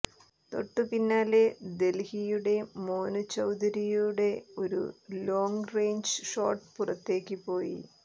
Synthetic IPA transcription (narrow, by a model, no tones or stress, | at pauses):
t̪o̞̰ʈːɨpinːaːle̞d̪e̞lhijuɽe̞moːnut͡ɕːɐwd̪ɐɾijuɽe̞o̞ɾṵlo̞ːŋɡrejɲd͡ʑʂo̰ːrʈpurɐt̪ːe̞ːkːɨpo̞ːjḭ